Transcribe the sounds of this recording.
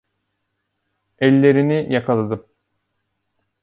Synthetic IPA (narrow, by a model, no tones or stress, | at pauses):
ɛlʲːe̞ɾinijakʰalˠad̪ɯm